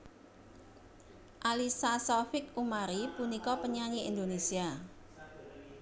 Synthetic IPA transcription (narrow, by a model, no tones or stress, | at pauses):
ʔalisasɔfɪkumaɾipunikɔpəɲaɲiind̪onesia